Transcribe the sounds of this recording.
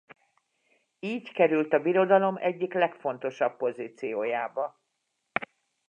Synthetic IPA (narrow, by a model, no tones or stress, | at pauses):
iːɟkɛɾylt̪ɒbiɾo̞d̪ɒlo̞mʔɛɟːiklɛkfo̞n̪t̪o̞ʃɒpːo̞ziːt̪sijoːjaːbɒ